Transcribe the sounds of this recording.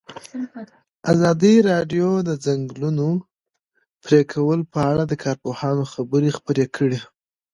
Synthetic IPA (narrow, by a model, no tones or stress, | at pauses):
azɑd̪iɾɑɖjod̪əzaŋɡluno | pɾekʰawəlpəaɽad̪əkʰɑɾpohɑnoxabəɾexpəɾekʰəɽi